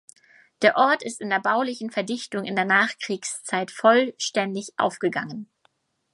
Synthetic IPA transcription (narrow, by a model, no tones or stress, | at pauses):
d̥eːɐʔɔɐtɪstɪndeːɐbaʊlɪçn̩fɛɐdɪçtʊŋɪndeːɐnaːχkʁ̥iːkst͡saɪtfɔlʃtɛndɪçʔa̰ʊfɡ̥əɡaŋən